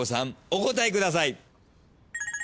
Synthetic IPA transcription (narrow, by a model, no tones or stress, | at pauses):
osãŋoko̞t̪aekɯ̟d̪as̬ai